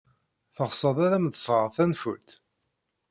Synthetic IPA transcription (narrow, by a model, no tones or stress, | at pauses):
θəʁsəðˤæðæmðəsˤʁəɾˤθænfṵt̪